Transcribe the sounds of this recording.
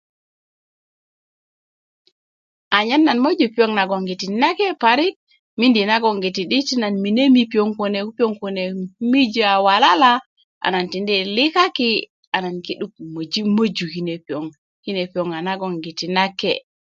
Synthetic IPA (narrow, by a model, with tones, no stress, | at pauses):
ʔa˨ɲa˦nːa˨nmo˦d͡ʒupi˦o˦ŋna˨ɡɔ˨ŋɡi˨ti˨na˦ke˦paɾi˦k̚ | mi˦ndi˨na˦ɡɔ˨ŋɡi˨ti˨ɗi˦ti˦na˨nmi˨ne˦mipi˨o˦ŋko˨ne˨u˦pi˦o˦ŋku˨ne˨mi˦d͡ʒi˦a˨wa˨la˦la | ʔa̰˨na˨nti˨ndɛ˦li˦ka˦ki˦ | a˨na˨nki˦ɗu˦kmo˨d͡ʒi˦mo˦d͡ʒu˨hi˦ne˨pi˨o˨ŋ | hi˦ne˨pi˨o˨ŋa˨na˦ɡɔ˨ŋɡi˨ti˨na˦kːḛ